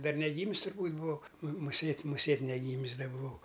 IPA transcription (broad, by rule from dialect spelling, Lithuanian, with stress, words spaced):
ˈdɐr nʲɛˈɡʲiːmʲɪs tʊrˈbuːtʲ bʊˈʋɐʊ mʊ mʊˈsʲeːtʲ mʊˈsʲeːtʲ nʲɛˈɡʲiːmʲɪs ˈdɐ bʊˈʋɐʊ